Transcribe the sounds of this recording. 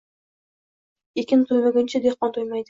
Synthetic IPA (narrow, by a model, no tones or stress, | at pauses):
ekʲɪnt̪ʰojmɪɡʲɪnt͡ʃʰɪd̪eχqɒnt̪ʰojmajd̪ɪ